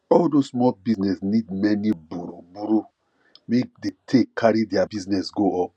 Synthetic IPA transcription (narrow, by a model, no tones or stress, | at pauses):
ɔldosmɔlbisnɛsnid̚mɛnibuɾobuɾo | mek̚detʰekʰaɾidiabiznɛsɡoɔp̚